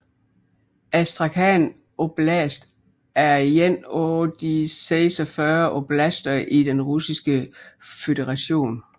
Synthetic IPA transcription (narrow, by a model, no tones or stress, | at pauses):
æsd̥ʁɑ̈kʰæn | ob̥læsd̥ | æɐjenɔd̥iseɪsɒfɶɐʔob̥læsd̥ɐʔid̥enʁusisɡ̥əføɾ̥eʁɑɕo̝̰ːn